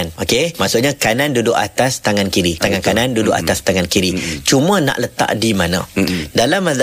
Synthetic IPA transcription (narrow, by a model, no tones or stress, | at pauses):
nokemaʔsʊʔɲakanandudʊʔat̪ast̪aŋankiɾit̪aŋankanãndudʊʔa̰t̪ast̪aŋankiɾit͡ʃumãna̰ʔlət̪a̰ʔdimanã̰dalamːad